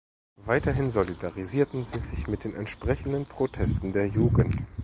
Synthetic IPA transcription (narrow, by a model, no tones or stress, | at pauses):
vaɪtɐɦɪnzolidaʁiziːɐtn̩ziːzɪçmɪt̚d̥eːnɛntʃpʁ̥ɛçn̩dənpʁ̥otʰɛstn̩deːɐjuːɡən̩t